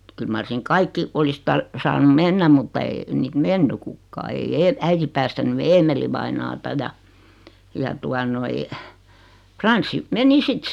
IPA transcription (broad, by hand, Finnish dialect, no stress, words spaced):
kyl mɑr siŋ kɑikːi olis tɑr sɑːnum menːæm mutːɑ eː niːt menːy kukːɑː ei eː æiti pæːstæny eːmeliʋɑinɑːtɑ jɑ jɑ tuɑ noi frɑnsːi meni sit